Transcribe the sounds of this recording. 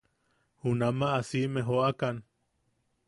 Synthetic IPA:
hunamaʔːsimẽɦoʔakan

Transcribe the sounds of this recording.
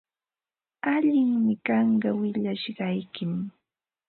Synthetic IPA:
aʎɪŋmɪkɑɴɢɑwɪʎaʃɢɑjkɪm

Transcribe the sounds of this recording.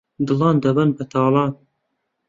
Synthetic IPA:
d̪ɨlɑːnd̪ɐbənbɐt̪ʰɑːlˠɑːn

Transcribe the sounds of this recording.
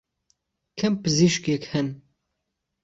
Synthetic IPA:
kʰɛmpɨziʃkekhɛn

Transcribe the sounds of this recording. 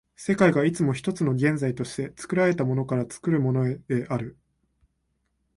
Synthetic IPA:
se̞kaiɡait͡sɨmo̞çi̥t̪o̞t͡sɨno̞ɡẽ̞nd͡zait̪o̞ɕi̥t̪e̞t͡sɨ̥kɯ̟ɾaɾe̞t̪amo̞no̞kaɾat͡sɨ̥kɯ̟ɾɯ̟mo̞no̞e̞ʔaɾɯ̟

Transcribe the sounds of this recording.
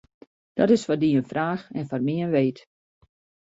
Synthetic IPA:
d̥ɔtɪsfɔdiənfraːxɛnfɔrmɪənʋeːt

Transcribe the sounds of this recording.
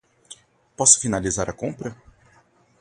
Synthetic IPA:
pɔsʊ̥finalizaɾʔɐkõpɾɐ

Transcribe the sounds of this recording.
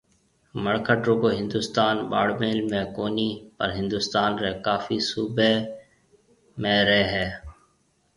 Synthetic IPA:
məɽkʰəʈɾõːkoːɦɪ̃nd̪uːst̪aːnɓa̰ːɽmeːlmẽːkoːniːpəɾɦɪ̃nd̪uːst̪aːnɾeːkaːfiːsuːbeː | mẽːɾeːɦɛː

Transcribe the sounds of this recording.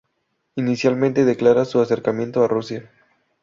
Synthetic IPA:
inisjalmẽnt̪e̞ðe̞klaɾasuase̞ɾkamje̞nt̪oarusja

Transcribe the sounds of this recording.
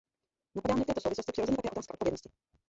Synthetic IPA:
napadaːmɛfɛːt̪osowvɪsloscɪprɪɾozɛɲɛt̪akɛːot̪aːskaʔtpvjɛdnɔscɪ

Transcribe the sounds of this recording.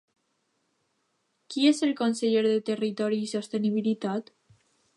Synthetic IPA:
kiezelkonseʎeɾðet̪erit̪ɔɾiːsost̪eniβ̞ilit̪at̪

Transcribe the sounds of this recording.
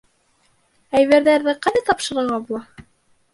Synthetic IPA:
æjβæɾðæɾðɘqɑðæt̪ɑpʃɤ̆ɾɤ̆ɾʁɑbulˠɑ

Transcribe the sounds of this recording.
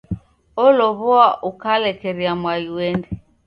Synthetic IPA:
ɔlɔβɔaʔukalɛkɛɾiamwajiwɛndɛ

